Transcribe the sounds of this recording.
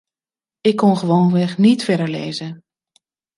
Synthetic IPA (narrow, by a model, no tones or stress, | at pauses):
ɪkʰːɔnχəʋoːnʋɛxnitfɛdəɹlḛːzə